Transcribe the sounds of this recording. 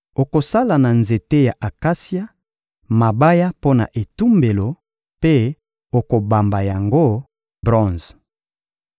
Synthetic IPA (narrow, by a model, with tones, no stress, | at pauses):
o˨ko˨sa˦la˨na˨nze˨te˦ja˨ʔa˨ka˦sja˦ | ma˨ba˦ja˦po˦na̰˨ʔe˨tu˦mbe˨lo˨ | pe˦ | o˨ko˨ba˨mba˨ja˨ŋɡo˦ | bʁɔ̃˦nz